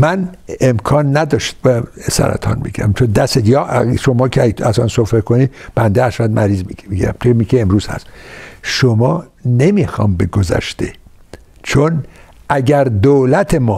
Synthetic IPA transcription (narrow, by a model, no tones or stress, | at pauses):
mænemkʰɒːnːæd̪ɒːʃt̪væsæ̰ɾæ̰t̪ʰɒ̰ːnmḭɡæ̰mt͡ʃʰond̪æsed̪jɒʃomɒːkʰeææzɒːnsofekʰonib̥ænd̪eæʃæd̪̚mʔæɾiːzmiiɡiɾæ̰mt̪ʰemikʰeemɾuːz̥hæ̰sʃomɒːnemixɒ̰ːmbeɡozæ̰ʃt̪e | t͡ʃʰonæɟæɾd̪oːlæt̪ʰemɒː